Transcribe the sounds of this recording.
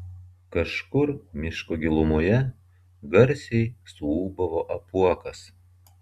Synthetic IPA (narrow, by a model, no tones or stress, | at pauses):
kɐʃkʊɾmʲɪʃkoːɡʲɪlˠʊmʊjɛ | ɡɐɾʲsʲɛɪsuuːbɐʋoʔɐpuɔkɐs